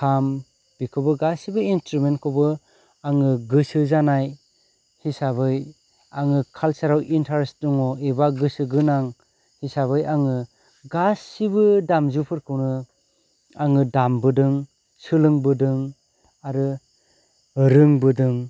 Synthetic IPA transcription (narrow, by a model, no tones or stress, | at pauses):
kʰam | b̥ikʰɔbɯɡasibɯinstɾumentkʰɔbɯ | aŋɯɡɯsɯzanaj | hisaβɯj | aŋɯkʰalsaɾawʔintʰaɾsdɔŋɔebaɡɯsɯɡɯnaŋ | hisaβɯjaŋɯ | ɡasːibɯdamzupʰɯɾkʰɯwnɯ | aŋɯdambɯdɯŋ | sɯlɯŋbɯdɯŋ | aɾɯ | ɾɯŋbɯdɯŋ